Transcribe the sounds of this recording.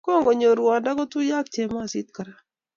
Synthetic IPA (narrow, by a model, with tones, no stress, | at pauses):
ko˦˨ŋɡo˨ɲo˨ɾwa˨da˦kɔ˦tʊ˦ja˦k̚t͡ʃe˨ma˦˨sɪ˦t̪̚ka˨ɾa˨